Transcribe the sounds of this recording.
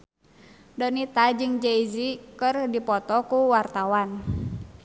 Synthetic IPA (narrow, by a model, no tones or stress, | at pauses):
dɔnit̪ad͡ʒɨŋd͡ʒeizikɨrdipɔt̪ɔkuwart̪awan